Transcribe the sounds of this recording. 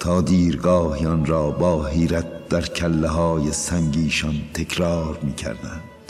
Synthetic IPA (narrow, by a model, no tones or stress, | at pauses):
t̪ʰɒːd̪iːɾɡɒːhiɒnɾɒːbɒːɦiːɾæt̪̚d̪̥æɾkʰælːeɦɒːjesæŋɡiːʃɒnt̪ʰe̞kʰɾɑːɾmiːcʰæ̰ɾd̪ænd̪̥